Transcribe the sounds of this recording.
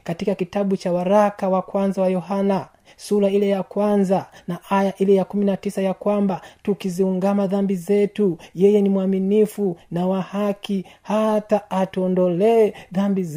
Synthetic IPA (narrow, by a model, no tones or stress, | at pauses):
katikakitaɓut͡ʃawaɾakawakwanzawajɔhana | suɾailɛjakwanzanaʔajaʔilɛjakuminatisajakwambatukiziuŋɡamaðambizɛtujɛjɛnimwaminifunawahakihataːtuɔndɔlɛɛðambiz